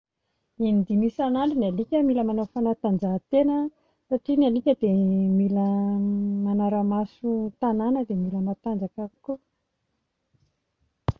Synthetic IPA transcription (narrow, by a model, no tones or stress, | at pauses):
inid̪imisanaɳɖ͡ʐinalikʲəmiləmanafanat̪and͡zat̪enə | saʈ͡ʂinalikʲəd̪emilə | manaɾəmasut̪ananəd̪emiləmat̪and͡zakaku